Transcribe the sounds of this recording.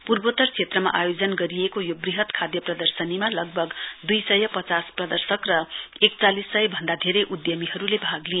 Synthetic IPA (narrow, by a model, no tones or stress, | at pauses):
purbot̪ʌrt͡sʰet̪rʌma̰ʔajod͡zʌnɡʌɾiekojobriɦʌt̪kʰad̪jʌprʌd̪ʌrsʌnimalʌɡ̚bʱʌɡd̪ujsʌjʌpʌt͡sasprʌd̪ʌrsʌkrʌek̚t͡salisːʌjʌbʱʌnd̪ad̪ʱeɾʌjʔud̪jʌmiɦʌɾulebʱaɡlie